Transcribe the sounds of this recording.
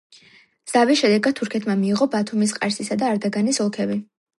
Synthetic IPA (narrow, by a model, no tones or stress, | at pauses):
z̥avisʃɛd̪ɛɡad̪̚t̪ʰːuɾkʰɛt̪ʰmamiːʁɔbat̪ʰumis̬qʼa̰ɾsisad̪aːɾd̪aɡanisɔlˠkʰɛbi